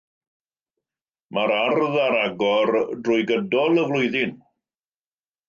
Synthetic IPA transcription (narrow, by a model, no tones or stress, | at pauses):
maɾarðaɾaɡɔrdrʊjɡədɔlˠəvlʊjðɪn